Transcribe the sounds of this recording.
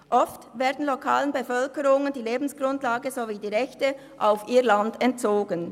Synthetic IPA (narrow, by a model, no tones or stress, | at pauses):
ʔɔftveːɐdn̩lokʰa̰ːlənbəfœlkəʁʊŋəndiːleːbn̩sɡ̥ʁʊntlaːɡəzoviːdiːʁɛçtə | ʔaʊfʔiːlandɛnt̚t͡soːɡən